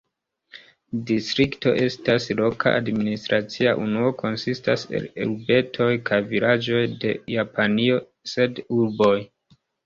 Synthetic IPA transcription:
distɾikto̞̰ʔe̞staslo̞ka̰ʔadministɾat͡siaʔunuo̞kʰo̞nsistase̞̰lḛɾbe̞tʰo̞jkʰajvilad͡ʒo̞jde̞japanio̞ | se̞duɾbo̞j

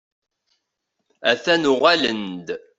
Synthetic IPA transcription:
æθænʊʁælənd̪

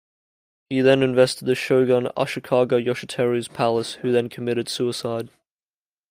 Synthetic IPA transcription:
hiðə̃nɪ̃ɱvɛstɪd̪əʃəʊɡə̃na̰ʃəkʰɑːɡəʊjɔʃətʰɛɹiz̥pʰaləshʉðə̃nkʰəmɪɾɪd̥sʉɪsaɪd̥

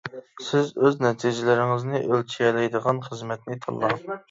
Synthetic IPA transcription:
sɪzøznɛt̪ʰid͡ʒɪlɪɾɪŋɪznɪʔølt͡ʃʰijɛlɛjd̪əʁɑnχəzmɛt̪̚nɪt̪ʰɑ̰lˠːɑ

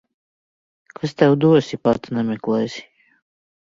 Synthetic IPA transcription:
kʰast̪ɛwd̪usipaɾt̪nɛmɛklˠɛjsi̥

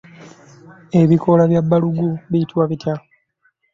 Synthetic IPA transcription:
e̞βiko̞laβjabːaluɡuβitwaβitʰa

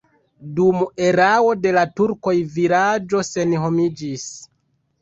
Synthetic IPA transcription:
dume̞ɾawo̞de̞latuɾko̞jviɾad͡ʒo̞se̞nɦo̞mid͡ʒis

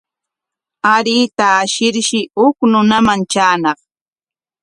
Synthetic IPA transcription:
aɾiːt̪aːʃɪɾʃɪhʊknʊnamant͡ʃaːnɑχ

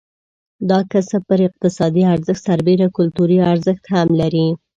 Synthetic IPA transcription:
d̪ɑkasapəɾɪq̚t̪ɪsɑd̪iaɾzəxt̪saɾbeɾakʊlt̪uɾiaɾzəxt̪hamlaɾi

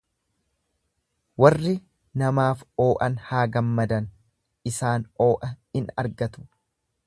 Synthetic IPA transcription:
wɐrːɪ | nɐmaːfo̞ːʔɐnhaːɡɐmːɐd̪ɐn | ɪsaːno̞ːʔɐhɪnɐ̰ɾɡɐt̪ʊ̥

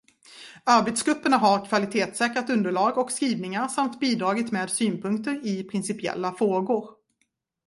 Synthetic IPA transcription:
aɾbɛt̪sɡɾɵpːəɳaɦaɾkʰvalɪt̪ʰeːt̪sɛːkɾat̪ɵnd̪əɭɑːɡɔkskɾiːvnɪŋaɾsamt̪biːd̪ɾɑːɡɪt̪meːd̪syːnpʰɵŋk̚t̪əɾɪpʰɾɪnsɪpɪɛ̰lːafɾoːɡʊɾ

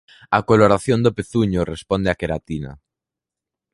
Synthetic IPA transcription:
akoloɾaθjond̪opeθuɲorespond̪eakeɾat̪ina̰

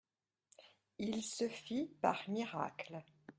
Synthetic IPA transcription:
ilsəfipa̰ʁmiʁa̰kl

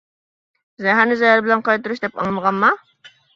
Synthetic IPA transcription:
zɛɦæɾnɪzɛɦæɾbɪlɛnqɑjt̪uɾuʃ̬d̪ɛpɑ̰ŋlˠməʁɑnmɑ

